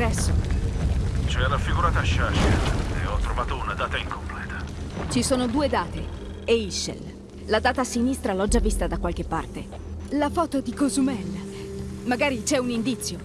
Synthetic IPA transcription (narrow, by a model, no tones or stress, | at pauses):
dɛsːo | t͡ʃoɛlafiɡuɾaːt̪aʃaʃɛl̰ḛɔt̪ːɾovaːt̪ounad̪aːt̪aiŋkomplɛːt̪ʰḁt͡ʃisoːnod̪uːed̪aːt̪e | eiʃḛl | lad̪aːt̪asinist̪ɾalɔd͡ʒːavːist̪ad̪akːwalk̟epːa̰rt̪e | lafɔːt̪od̪ikozumɛlː | maɡaːɾit͡ʃɛunind̪it̪sːjo